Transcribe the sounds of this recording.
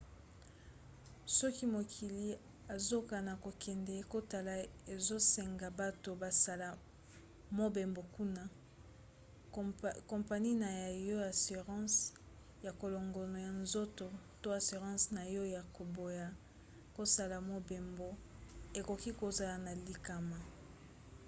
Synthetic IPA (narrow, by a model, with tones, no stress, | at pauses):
sɔ˦ki˦mo˨kʰi˨li˨ | a˨zo˦ka˨na˨ko˨kɛ˨ndɛ˨˦ko˦ta˨la˨e˨zo˦sɛ˨ŋɡa˨ba˦to˨ba˨sa˨la˨ | mo˦be˨mbo˨ku˦na˦ | kɔ̃˨mpa˨ni˦na˨ja˨jo˦a˨si˨ʁɑ̃˦s | ja˨ko˨lo˨ŋɡo˨no˨ja˨nzo˦to˨ | to˦a˨si˨ʁɑ̃˦sna˨jɔ˦ja˨ko˨bo˨ja˨ | ko˦sa˦la˨mo˦be˨mbo˦ | e˨ko˨ki˦ko˨za˨la˨na˨li˨ka˨ma˨